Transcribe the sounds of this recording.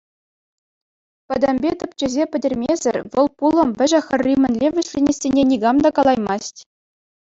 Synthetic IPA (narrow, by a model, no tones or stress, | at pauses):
pɘ̆d̪ɘ̆mʲbʲet̪ɤ̆p̚ʲt͡ɕɘ̆zʲepʲɘ̆dʲɘ̆rʲmʲezʲɘ̆rʲʋɤ̆lˠpulˠɤ̆mvʲɘ̆ʑɘ̆xʲɘ̆rʲːimʲɘ̆nʲlʲeʋʲɘ̆ɕlʲenʲesʲenʲenʲiɡɑmd̪ɑkɑlˠɑjmɑsʲtʲ